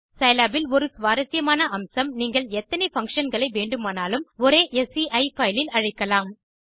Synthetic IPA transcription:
sɐɪlaːbɪlɔɾɯsʋaːɾɐsɪjɐmaːnɐʔɐmsɐmniːŋɡɐɭɛt̪ːɐnɛfɐŋkʂɐnɡɐɭɐɪʋeːɳɖɯmaːnaːlɯmɔɾeːʔɛsiʔɐɪfɐjlɪlɐɻɐɪkːɐlaːm

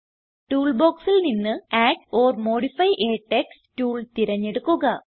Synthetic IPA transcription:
ʈuːɭbo̞ːksilninːɨaːʈoːrmo̞ːɽifɐjʔeːʈːekstuːɭt̪iɾɐɲːeɽukːuɣɐ

